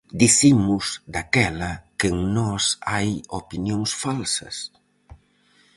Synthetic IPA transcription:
d̪iθimʊzd̪akɛlɐkɪŋnɔsajopinjoŋsfalsɐ̰s

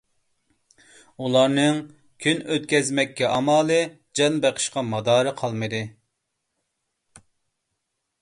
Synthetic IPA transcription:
ulˠɑɾnɨŋ | kʲʰynøt̪̚kʲɛzmɛkʲːɛʔɑmɑːlˠɨ | d͡ʒɑnbeqʰə̥ʃqɑmɑd̪ɑːɾɨqʰɑlˠmɨd̪ɨ

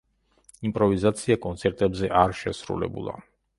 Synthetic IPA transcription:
impʼɾɔvizat̪sʰiakʼɔnt̪sʰɛɾt̪ʼɛbzɛʔaɾʃɛsɾṵlɛ̰bṵlˠa̰

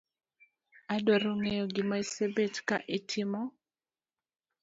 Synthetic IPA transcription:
adwaɾoŋejoɡɪmaisebetkaʔitʰɪmɔ

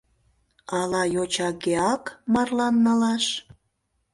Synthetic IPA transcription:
ɑlɑjot͡ɕɑkeɑkmɑrlɑnːəlɑʃ

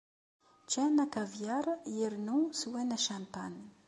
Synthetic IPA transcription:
t͡ʃenakaviaɾəeɾinusiwenəʃamt̪anə

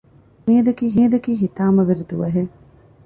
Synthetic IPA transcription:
miɐd̪ɐkiːɦiɐd̪ɐkiːɦit̪aːmɐʋeɾid̪uʋɐɦe

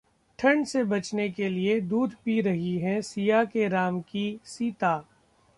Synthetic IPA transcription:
ʈʰɐ̃ɳɖsebɐt͡ʃnekelied̪uːd̪ʱpiɾɐɦiɦɛ̃sijakeɾaːmkisiːt̪aː

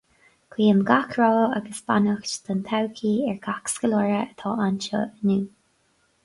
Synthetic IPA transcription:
kʰwiːəmɡakʰɹɔːaɡəsba̰nəxt͡ʃt̪ʰant̪ʰawkʰiːɛɹɡaksɡəlɔɹəət̪ʰɑːʔanʃə̰ənuː

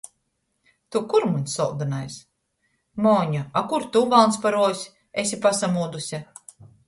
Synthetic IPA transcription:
t̪ukuɾmunsɔlˠd̪anajs | mɔːɲaakuɾt̪uvalˠnspaɾuɔsʲ | esʲipasamuːd̪usʲa

